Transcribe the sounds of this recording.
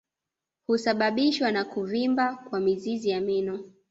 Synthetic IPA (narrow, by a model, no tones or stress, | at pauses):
husaɓaɓiʃwanakuvimbakwamizizijaminɔ